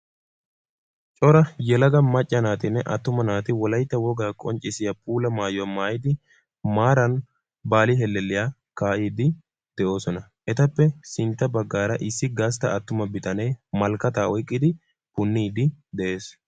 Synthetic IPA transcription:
t͡ʃʼɔɾɐjɛlɐɡɐmɐt͡ʃʼːɐnaːt̪ɪnːɛʔɐ̰t̪ːʊmɐnaːt̪ɪwɔlɐjt̪ːɐwɔɡaːkʼɔnt͡ʃʼːɪsɪjɐpuːlɐmaːjɔmaːjɪd̪ɪ | maːɾɐn | baːlɪɦɛlːɛlːɪjaː | kaːʔiːd̪ɪ | d̪̥ɛʔo̞ːsɔnɐ | ʔɛt̪ɐpːɛsɪnt̪ːɐbɐɡːaːɾɐʔɪsːɪɡaːst̪ɐ̰ɐt̪ːʊmɐbɪt̪ʼɐnɛjmɐlkːɐt̪aːɔjkʼːɪd̪ɪ | pʊnːiːd̪ɪd̪ɛʔe̞ːs

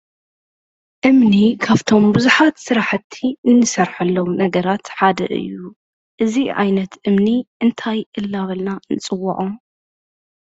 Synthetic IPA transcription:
ʔɨmnikʰaβt̪ʰo̞mbuzuħat̪sɨɾaħɨt̪ʰːinɨnɨsɐɾħɐlːɐwnɐɡɐɾat̪ħad̪ɐ̰ʔɨ̰jːu | ʔɨziʕa̰jnɐt̪ʔɨmniʔɨnt̪ʰajʔɨlːaβɐlnanɨt͡sʼɨwːɐ̰ʕu

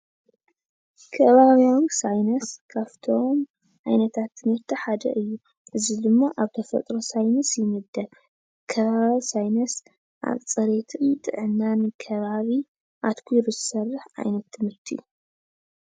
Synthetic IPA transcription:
kʰɐβaβjawisajnɐskʰaft̪ʰom | ʕajnɐt̪ʰat̪ʰːɨmɨɾt̪ʰiħad̪ɐ̰ʔɨjːu | ʔɨzid̪ɨmːaʔaβt̪ʰɐfɐ̰t̪ʼɾosajnɐsjɪmɨd̪ːɐl | kʰɐβaβisajnɐs | ʔa̰βt͡sʼɐɾet̪ʰɨt̪ʼɨʕɨnːanɨkʰɐβaβi | ʔa̰t̪kʰuɾɨzɨsɐrːɨħʕa̰jnɐt̪ʰːɨmɨɾt̪ʰiju

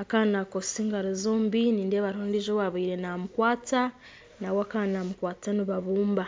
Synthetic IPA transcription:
akaːnnakosiŋɡaɾizoːmbiniːndeβaɾhondiʒowaβiːɾenamukwaːta | nawoakaːnnamukwaːtaniβaβuːmba

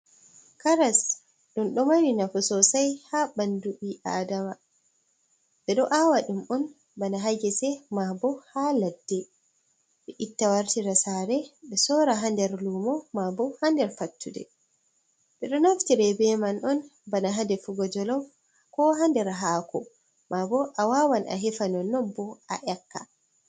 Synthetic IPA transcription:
kaɾas | ɗunɗɔmawinafusɔsajhabanduʔiʔaːdama | ɓɛɗɔʔawaɗumɔn | banaɦaɡɛsɛmabɔhaladːɛ | ɓɛʔitːawaɾtiɾasaːɾɛɓɛsɔːɾaɦandɛɾlumɔmabɔhandɛɾfatːudɛ̰ | ɓɛɗɔnoftiɾɛbɛmanʔɔnbanaɦandɛfuɡɔd͡ʒɔlɔf | kɔɦandɛɾɦaːkɔ | mabɔʔawawanʔa̰ɦɛfanɔnɔbːɔa̰ʔɛkːa̰

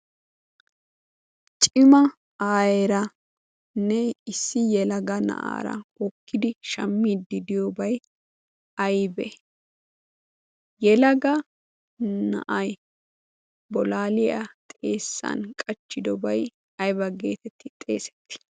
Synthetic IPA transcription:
t͡ʃʼɪmɐ | aːjɛɾɐ | nɛɪsːɪjɛlɐɡɐnɐ̰ʔa̰ːɾɐ̰wɔkʰːɪd̪ɪʃɐmːiːd̪ːɪd̪ɪjobɐj | ɐjbɛ | jɛlɐɡɐ | nɐ̰ʔɐj | bɔlaːlɪjɐt̪ʼe̞ːsːɐ̰nkʼɐt͡ʃːɪd̪ɔbɐj | ɐjbɐɡe̞ːt̪ɛt̪ːɪt̪ʼe̞̰ːsɛ̥t̪ːɪ̥

